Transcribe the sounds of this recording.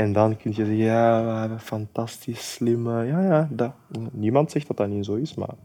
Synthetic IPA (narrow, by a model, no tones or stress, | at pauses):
ɛndɑnkʏntjəzɛɣəjaːʋaəfɑntɑstisslɪməjaːjaːda | nimɑntsɛxt̚dɑtdaninzoːɪsma̰r